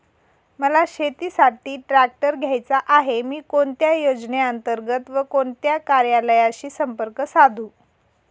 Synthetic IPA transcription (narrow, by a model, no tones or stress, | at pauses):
məlaɕet̪iːsaʈiːʈɾæk̚ʈəɾɡʱjajt͡saʔaɦemiːkoɳt̪jajod͡zneənt̪əɾɡət̪ʋəkoɳt̪jakaɾjaləjaɕiːsəmpəɾkəsad̪ʱuː